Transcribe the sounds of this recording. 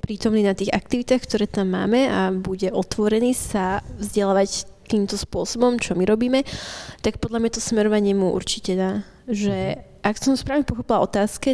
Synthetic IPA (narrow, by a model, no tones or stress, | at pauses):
pɾiːt̪ɔmniːnat̪iːɣa̰k̚t̪iʋit̪aːxkt̪ɔɾɛːt̪amːa̰ːmɛabuɟɛʔɔt̪ʋɔɾɛniːsavzɟɛlaːʋact̪iːmt̪ɔspʊɔsɔbɔmt͡ʃɔmiɾɔbiːmɛt̪ak̚pɔd̪ʎamɲat̪ɔsmɛɾɔʋaɲɪɛmuʔṵɾt͡ʃicɛnaː | ʒɛʔaksɔmspɾaːʋɲɛpɔxɔpilaɔt̪aːskɛ